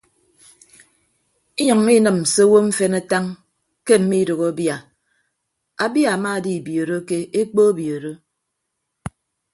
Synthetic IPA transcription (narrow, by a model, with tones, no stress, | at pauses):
i˦ɲɔ˨ŋi˦nɨ˨m̩˨so˦wo˦ɱ̩˦fe˦na˦ta˦ŋ | ke˦m̩˨mi˦do˨ɣo˨˦bja˨ | a˨bja˦˨a˨ma˦˨di˦˨bjo˨ɾo˦ke˦e˦k͡po˦bjo˨ɾo˦